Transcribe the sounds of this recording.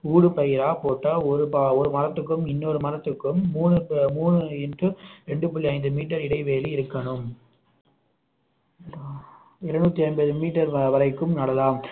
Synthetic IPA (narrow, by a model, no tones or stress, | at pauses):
uːɽɯpɐjɪɾaːpoːʈːaɔɾɯpaɔɾɯmɐɾɐt̪ːɯkːɯmɪnːoɾɯmɐɾɐt̪ːɯkːɯmːuːnɯmuːɳɯɛndrɯɾɛɳɖɯpɐlːɪɐɪnd̪ɯmiːʈːɐɾɪɽɐɪʋeːlɪɪɾɯkːɐɳɯm | ɪɾɐnuːt̪ːiɐɪnbɐðɯmiːʈːɐɾʋɐɾɐɪkːɯmnɐɽɐlaːm